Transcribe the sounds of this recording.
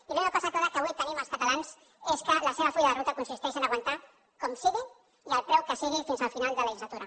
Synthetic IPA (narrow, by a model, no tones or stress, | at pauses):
pimeɾakɔsapoðakaβuijt̪enẽmalskat̪alans | eskelaseβ̞afujaðerut̪akonsist̪eʃenaɣwant̪a | komsiɣi | jalpɾewkesiɣifinzalfinald̪eleʒizlat̪uɾa